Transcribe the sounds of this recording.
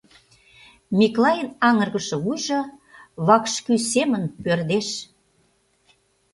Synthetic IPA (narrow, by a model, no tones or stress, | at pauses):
mʲiklɑjənɑŋə̆rɣə̆ʃɤ̆βujʒɤ̆βɑkʃkysemənpørd̪eʃ